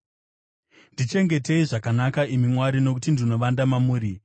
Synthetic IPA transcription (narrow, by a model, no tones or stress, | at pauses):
ndit͡ʃe̞ŋɡe̞te̞iʐakanakaimimwaɾino̞k̬utindino̞ʋandamamuːɾi